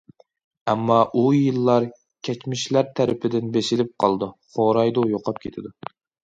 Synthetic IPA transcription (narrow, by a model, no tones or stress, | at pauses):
ɛmːɑʔujɨlˠːɑɾ | kʲʰɛt͡ʃmɪʃlæɾt̪ʰæɾɪpʰɪd̪ɪnbesɪlɪp̚qʰɑlˠd̪uχoɾɑjd̪ujoqʰɑp̚kʲʰet̪ʰɪd̪u